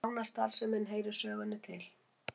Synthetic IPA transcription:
wnast̪aɾ̥sɛmhɪnːɦeːjɾʏ̥sœːɣʏnːʏt̪ʰɪl̥

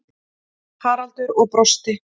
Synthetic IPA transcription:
haːɾalt̪ʏɾɔɣpɾɔst̪ɪ

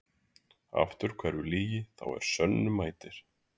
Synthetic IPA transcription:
a̰ft̪ʏɾ̥kʰvɛɾʏliːjɪθa̰wɛ̰ɾ̥sœnːʏmaːjt̪ɪɾ̥

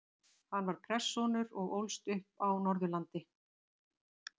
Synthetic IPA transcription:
hanːvaɾ̥pʰɾɛsːɔnʏɾɔɣowlst̪ʏhpawnɔɾðʏlant̪ɪ

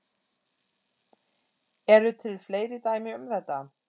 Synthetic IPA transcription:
ɛɾʏt̪ʰɪlfleːjɾɪt̪aːjmɪʏmθɛt̪ːa

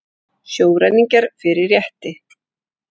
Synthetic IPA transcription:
sjoːwɾajniŋcaɾ̥fɪɾɪrjɛht̪ɪ

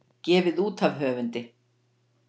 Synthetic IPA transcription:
cɛːvɪðuːt̪ʰavɦœːvʏnt̪ɪ

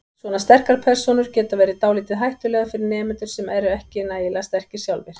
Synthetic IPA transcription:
svɔːnast̪ɛr̥kaɾ̥pʰɛr̥sɔnʏɾ̥cɛːt̪avɛːjɾɪt̪aːwliːt̪ɪðɦajht̪ʏlɛːɣafɪɾɪɾnɛːmʏnt̪ʏɾ̥sɛmɛɾʏɛhcɪnaːjɪlast̪ɛr̥cɪ̥sjawlvɪɾ̥

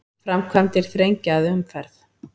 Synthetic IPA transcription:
fɾamkʰvamt̪ɪɾ̥θɾejɲcaːðʏmfɛɾθ

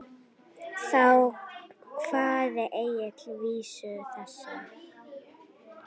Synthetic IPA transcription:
θaw | kʰv̥aːðɪʔeːjɪt̪lviːsʏθɛsːa

